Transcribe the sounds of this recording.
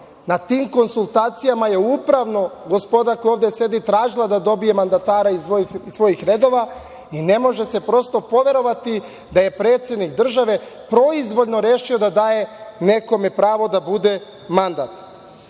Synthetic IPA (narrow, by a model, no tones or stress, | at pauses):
nat̪iːmko̞nsulˠt̪aːt̪sijamaje̞upɾaʋno̞ɡo̞spo̞d̪akojo̞ːʋd̪e̞sje̞d̪it̪ɾaːʒilˠad̪ad̪o̞bije̞mand̪at̪aːɾaisoisʋo̞jixɾe̞d̪o̞ʋa | ine̞mo̞ʒe̞se̞pɾo̞st̪o̞po̞ʋe̞ɾo̞ʋat̪i | d̪aje̞pɾe̞ːt̪sje̞d̪nikd̪r̩ʒaʋe̞pɾo̞izʋo̞ʎno̞ɾeːʃio̞d̪ad̪aːje̞ne̞ko̞me̞pɾaːʋo̞d̪abud̪e̞ | mand̪at̪